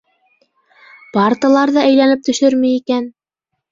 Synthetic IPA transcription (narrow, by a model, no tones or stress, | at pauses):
pɑrt̪ɤlˠɑɾðɤʔæjlænɘp̚t̪ɵ̆ʃɵɾmɘjikæn